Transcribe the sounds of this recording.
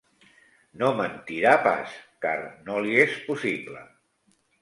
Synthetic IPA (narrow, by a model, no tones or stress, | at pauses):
nomənt̪iɾapa̰ska̰rnoliespusiplə̰